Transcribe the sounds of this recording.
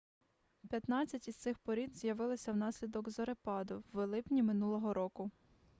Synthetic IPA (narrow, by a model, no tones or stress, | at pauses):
pʲjɐt̪nɑt͡sʲːɐtʲist̪sɪxpɔɾʲinzʲjɐʋɪlˠɪsʲɐwnɑsʲlʲid̪ɔɡzɔɾepɑd̪ʊːelˠɪpnʲimɪnulˠɔɦɔɾɔkʊ